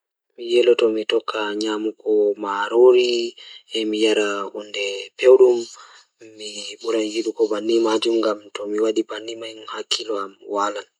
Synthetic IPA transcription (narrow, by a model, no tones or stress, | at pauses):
mijɛlɔtɔmitɔkʰːaɲamukɔmaɾoɾiɛmijaɾaundɛpewɗumː | iɓuɾand͡ʒiɗukɔbanːimad͡ʒumŋɡamtɔmiwaɗibanːimajmhakʰːilɔamwalan